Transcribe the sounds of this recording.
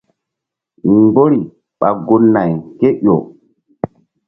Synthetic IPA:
mbo˦ɾi˨ | ɓa˨ɡo˨˦nːa˨jke˦ʔo˨

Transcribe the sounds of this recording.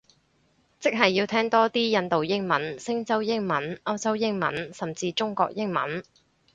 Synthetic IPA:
t͡sɪ˥k̚ɦɐ˨jːiː˧wt̪ʰɛː˥ŋt̪ɔː˥t̪iː˥jɐ˧nt̪o˨wjɪ˥ŋmɐ˨˥nsɪ˥ŋt͡sɐ˥wjɪ˥ŋmɐ˨˥nɐ˥wt͡sɐ˥wjɪ˥ŋmɐ̰˨˥nsɐ˨mt͡siː˧t͡sʊ˥ŋkɔ̰ː˧k̚jɪ˥ŋmɐ˨˥n

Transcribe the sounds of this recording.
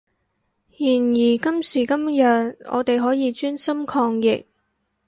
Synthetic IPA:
jiː˨˩njiː˨˩kɐ˥msiː˨˩kɐ˥mjœː˨ŋʔɔ̰ː˨˧t̪e˨jɦɔː˨˥jiː˨˧t͡ʃyː˥nsɐ˥mkʰɔː˧ŋjɪ̰˨k̚

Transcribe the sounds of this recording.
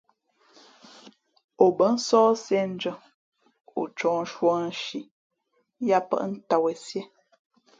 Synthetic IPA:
o˨bə˨˦n̩˦sɔː˦sɛ˦n̩˦d͡ʒə˦˨ | o̰˨t͡ʃɔ̃ː˨n˦ʃwɔ˦n̩˨˦ʃi˨ | ja˦pə̰˦ʔn̩˦ta˨we˨sje˦

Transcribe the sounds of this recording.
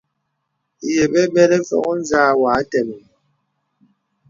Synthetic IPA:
je˨bɛ˦bɛ˦ɾɛ˦fɔ̰˦ɣɔ˦n̩˦zaː˦wa˨˦tɛ˨mi˨

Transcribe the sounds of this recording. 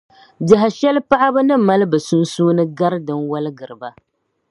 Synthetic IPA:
da˨ɦa˨ʃɛ˦lpa˦ʔa˦bɨ˦nɨ˦ma˦lɨ˦bɨ˨su˦nsuː˦nɨ˦ɡa˦ɾdɨ˨nwa˦lɨ˦ɡɨ˨ɾɨ˨ba˦

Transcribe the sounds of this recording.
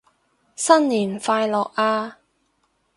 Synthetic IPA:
sɐ˥nliː˨˩nfaː˧jlɔː˨k̚aː˧

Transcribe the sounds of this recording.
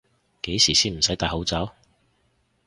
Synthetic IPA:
ke˨˥jsiː˨˩siː˥nm̩˨˩sɐ˨˥jt̪aː˨˧ho˨˧˥wt͡sɐ˨˥w

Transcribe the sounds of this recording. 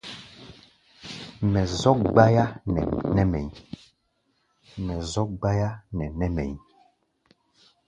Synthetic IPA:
mɛ˨zɔ˦k̚ɡ͡ba˦ja˦nɛ̰˨nɛ˦mɛ̰˨ɲ˦ | mɛ˨zɔ˦k̚ɡ͡ba˦ja˦nɛ˨nɛ˦mɛ̰˨ɲ˦

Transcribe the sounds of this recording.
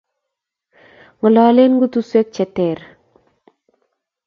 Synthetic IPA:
ŋə˨lɔ˨le˦nɡu˦t̪u˦swe˦k̚t͡ʃɛ˨te˨ɾ

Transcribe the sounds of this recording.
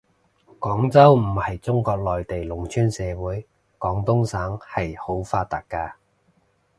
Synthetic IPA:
kɔː˨˥ŋt͡sɐ˥wm̩˨˩hɐ˨jt͡sʊ˥ŋkɔː˧k̚lɔː˨jt̪e˨jlʊ˨˩ŋt͡ʃʰyː˥nsɛː˨˧wuː˨˥j | kɔː˨˥ŋt̪ʊ˥ŋsaː˨˥ŋhɐ˨jho˨˥wfaː˧t̪a̰ː˨k̚kːaː˧

